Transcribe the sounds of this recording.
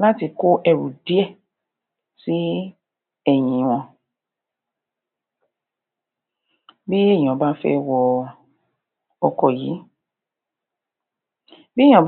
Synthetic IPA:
la˦ti˧ko˦ʔɛ˧ɾṵ˨di˦ɛ˦˨ | si˦ | ɛ˦˨j̃ĩ˨˧˦w̃ɔ̃˧ | bi˦e˦˨j̃ɔ̃˨ba˦fɛ̰˦wɔ˧ | ɔ˧kɔ˨jiː˨˦ | bĩ˦˨ɔ̃˨b

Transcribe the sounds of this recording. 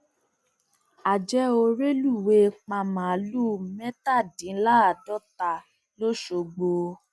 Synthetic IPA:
a˨d͡ʒɛ˦o˧ɾe˦lu˦˨we˧˦k͡pa˧mã˨˦lu˦mɛ̃˦ta˦˨dĩ˨˦la˦a˨dɔ˦ta˧ | lo˦ʃo˧ɡ͡bo˨˧

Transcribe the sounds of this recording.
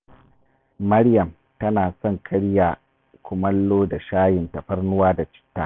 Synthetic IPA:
mɐ˦ɽjɐ˨m | tɐ˦naː˨sɔ˦ŋkʰɐ˦ɽjaː˨ | kʷʊ˨mɐ˦lːoː˦da˨ʃaː˦jɪ˨ntɐ˨ɸɐ˦rnʊ˦waː˦da˨t͡ʃɪ̥˦tːa̰˨

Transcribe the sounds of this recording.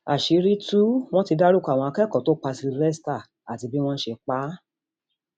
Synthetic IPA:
a˨ʃi˨˦ɾi˦tu˦w̃ɔ̃˦ti˧da˦ɾu˦˨ka˨w̃ɔ̃˧a˧kɛ˦˨kɔ˨to˨˦k͡pa˧si˧˦ɾɛ˦sta˦˨ | a˨ti˨˧˦bi˦w̃ɔ̃˦ʃe˧k͡pa˦

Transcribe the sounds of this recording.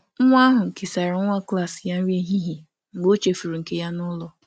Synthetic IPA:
ŋ̩˦ŋʷa˦ɦʊ˨ŋ̩˨ke˨sa˨ɾɪ˨˦ŋʷa˦kla˦˨sja˦n̩˦ɾi˦e˦ɦi˦ɦi˨ | ŋ͡m̩˨ɡ͡bo˦t͡ʃe˨fu˨ɾu˨ŋ̩˨ke˦ja˦nʊ˦lɔ˨

